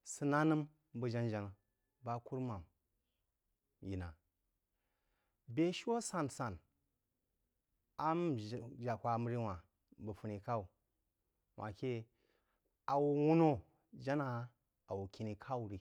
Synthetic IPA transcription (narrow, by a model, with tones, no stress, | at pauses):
sɨ˧na˦nɨ˦m | bə˨d͡ʒa˦nd͡ʒa˨na˨ | ba˦ku˦ɾma˨m | ji˨na˨ | be˦ʃwo˦sa˨nsa˨n | a˦m˨d͡ʒa˨kʷa˨˦m˦ɾi˦wa˨ | bə˨fu˦ni˨ka˦u˨ | wʷʔa̰˨kʲe˦ | a˨wu˨wu˦no˦ | d͡ʒa˦na˨˦ | a˨wu˨kʲi˨ni˨kʰa˦u˨ɾi˨